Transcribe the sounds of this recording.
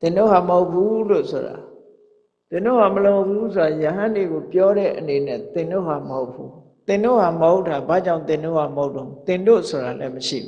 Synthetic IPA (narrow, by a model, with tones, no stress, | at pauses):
t̪ɪ̃˨ndo̰˦˨ha˨məɦo˦ʊpʰːu˦lo̰˦˨sʰo˨ɾa̰˨ | t̪ɪ̃˨ndo̰˦˨ha˨məlo˨pʰu˦sʰo˨ɾa˨jə˨ɦã˦nde˨ɣo˨pjɔ˦ɾɛ̰˦˨ʔəne˨nɛ˦˨t̪ɪ̃˨ndo̰˦˨ɦa˨məho˦ʊpʰːu˦ | t̪ɪ̃˨ndo̰˦˨ɦa˨məɦo˦ʊtʰːa˨ba˦˨d͡ʑã˦˨ʊ̃t̪ɪ̃˨ndo̰˦˨ha˨məɦho˦ʊtõ˨ʊ̃t̪ɪ̃˨ndo̰˦˨so˨ɾa˨lɛ˦məʃḭ˦˨bu˨